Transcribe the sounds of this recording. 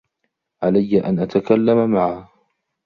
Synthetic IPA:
ʕalajːaʔanʔat̪akalːamamaʕa

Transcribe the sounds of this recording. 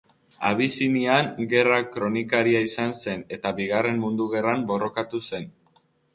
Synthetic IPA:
a̰β̞isiniaŋɡe̞rakɾo̞nikaɾiaisanse̞ne̞t̪aβiɣare̞mmund̪uɣe̞rambo̞ro̞kat̪use̞n

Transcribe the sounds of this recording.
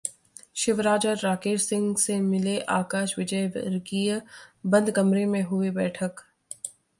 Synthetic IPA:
ʃɪʋɾaːd͡ʒaːaːkeːɾsɪ̃ŋɡsemɪleʔaːkaːʃʋɪd͡ʒə̰ɾɡijbɐ̃nd̪kɐmɾemẽɦʊebɛːʈʰək

